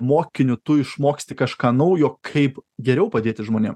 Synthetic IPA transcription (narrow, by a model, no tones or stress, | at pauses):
moːkʲɪnʲʊt̪ʊɪʃmoːksʲt̪ʲɪkɐʃkɑːnɐʊjoːkʰɐɪpɡʲɛɾʲɛʊpɐd̪ʲeːt̪ʲɪʒmoːnʲḛːm